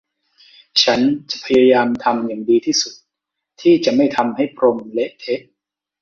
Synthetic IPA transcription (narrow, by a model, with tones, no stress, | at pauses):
t͡ɕʰa˦˥nt͡ɕa˨˩ʔpʰa˧jaː˧jaː˧mt̪ʰa˧mjaː˨˩ŋdiː˧t̪ʰiː˥˩su˨˩t̪̚ | t̪ʰiː˥˩t͡ɕa˨˩ʔma˥˩jt̪ʰa˧mha˥˩jpʰɾo˧mle˦˥ʔt̪ʰe˦˥ʔ̚